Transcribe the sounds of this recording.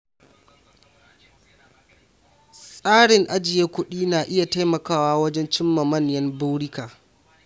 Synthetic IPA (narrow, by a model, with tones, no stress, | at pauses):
sʼaː˦ɽɪ˨ŋʔa˦d͡ʒɪ˨jeː˦kʷʊ˦ɗiː˦naː˨ʔɪ˦ja˨ta˦jmɐ˨kaː˦waː˦wɐ˦d͡ʒɛ˦nt͡ʃɪ˦mːɐ˨mɐ˦˨njɐ˦mbuː˦wɽɪ˦kaː˨